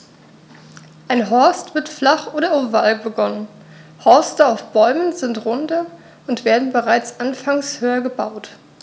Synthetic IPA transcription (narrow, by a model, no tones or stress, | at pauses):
ʔaɪnɦɔɐstv̥ɪɐtflaχʔoːɾɐʊvalbəɡɔnən | hɔɐstəaʊfb̥ɔʏmənzɪntʁʊndə | ʊntv̥eːɐdn̩bəʁaɪt͡sʔanfaŋshøːɐɡəbaʊt